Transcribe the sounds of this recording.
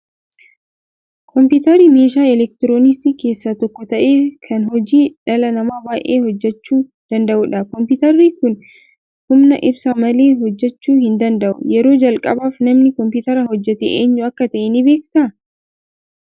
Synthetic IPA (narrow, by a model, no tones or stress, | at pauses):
kʰɔmpʊːt̪ɐɾiːmeːʃaːɛlɛk̚t̪ɪɾoːnɪs̬t̪iːke̞ːsːaːt̪ɔkːɔt̪ɐʔeːkʰɐnɦɔd͡ʒiːᶑɐlɐnɐmaːbaːʔeːhɔd͡ʒːɛt͡ʃːuː | d̪̥ɐnd̪ɐʔuːᶑɐkɔmpɪt̪ɐɾːiːkʊn | hʊmnɐʔɪbsamɐle̞ːɦɔd͡ʒːɛt͡ʃːuːhɪnd̪ɐnd̪ɐʔʊ̰jɛɾo̞ːd͡ʒɐlkʼɐbaːfnɐmnɪkɔmpɪt̪ɐɾɐhɔd͡ʒːɛt̪ḛːʔeːɲːʊɐkːɐt̪ɐʔɛnibe̞ːkt̪ɐ